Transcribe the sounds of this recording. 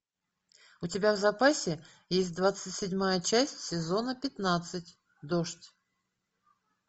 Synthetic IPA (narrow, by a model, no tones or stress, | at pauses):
ʊtʲɪbʲavzɐpasʲɪ | jesʲt̚ʲd̪vat̪sɨtʲsʲɪdʲmajət͡ɕæsʲtʲsʲɪzo̞nəpʲɪt̪nat̪sɨtʲ | d̪oʂtʲ